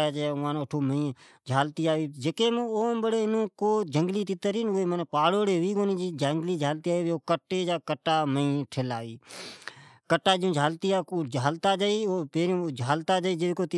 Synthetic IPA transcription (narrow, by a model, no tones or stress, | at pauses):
aːt͡ʃːʊãːnːəʈʰoːməĩː | d͡ʒʱaːlt̪iːaːiːd͡ʒəkeːmoːmbəɽeɪnũːkoːd͡ʒəŋɡliːt̪ɪt̪əɾiːnʊeːmənepaːɽoːɽeːʋiːkoːnĩːd͡ʒiːd͡ʒəŋɡliːd͡ʒʱaːlt̪iːaːioːkəʈːeːd͡ʒaːkəʈːaːməĩːʈʰelaːʋiː | kəʈːaːd͡ʒũːd͡ʒʱaːlt̪iaːkod͡ʒʱaːlt̪aːd͡ʒaːiːoːpeːɾĩd͡ʒʱaːlt̪aːd͡ʒaiːd͡ʒeekoːt̪ɪ